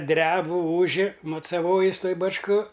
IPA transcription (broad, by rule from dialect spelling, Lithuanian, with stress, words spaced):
ˈdʲrʲæːbʊ ˈuːʒʲɪ mʊt͡sɐˈʋoːjɪs ˈtoːj bɐt͡ʃˈkoː